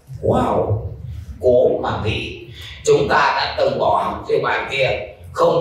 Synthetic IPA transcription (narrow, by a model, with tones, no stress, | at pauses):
waː˧˩w | ko˨˦maː˨˩vḭ˧˨ | t͡ɕʊ˨˦ŋ͡mt̪aː˧ɗa̰ː˧˥t̪ə˨˩wŋ͡mɓɔ˧˩˨vʰi˧˩ɓa̰ː˨˩nt̪i˧˩ə | xə˧wŋ͡m